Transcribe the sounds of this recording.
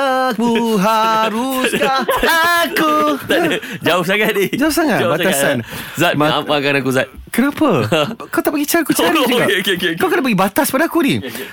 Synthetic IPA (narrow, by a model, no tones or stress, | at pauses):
akuɦaɾuskaakut̪ad͡ʒaʊs̬akat̪̚id͡ʒaʊsaŋat̪̚batsasanzat̪̚mamakanakuzat̪̚kənãpakawt̪aʔpaɡit͡ʃaɾiakut͡ʃaɾid͡ʒuɡakekekkawkənapbəɡibat̪aspadakuni